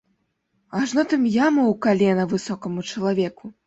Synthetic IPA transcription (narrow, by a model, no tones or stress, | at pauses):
aʐnɔt̪ɨmjamɐwkalʲɛnɐvɨsɔkɐmut͡ʂɐlˠavʲɛku